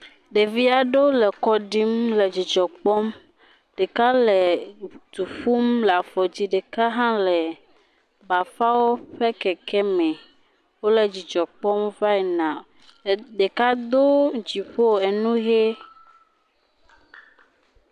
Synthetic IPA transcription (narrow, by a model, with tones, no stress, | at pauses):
ɖe˨vi˦a˨ɖo˦lɛ˨kɔ˦ɖi˦mlɛ˨d͡ʑi˨d͡ʒɔ˨k͡pɔ˦m | ɖe˨ka˦lɛ˨t̪u˨ɸu˦mla˨fɔ˨d͡ʑi˦ɖe˨ka˦ɦã˦lɛ˨ | ba˨fa˦wo˦ɸɛ˦kɛ˨kʰɛ˦mɛ̃˨ | wo˦lɛ˨d͡ʑi˨d͡ʒɔ˨k͡pɔ˦mva˦ɛ˨nã˨ | ɖe˨ka˦d̪o˦d͡ʑi˨ɸo˦˨ɛ˨nũ˦ɣe˦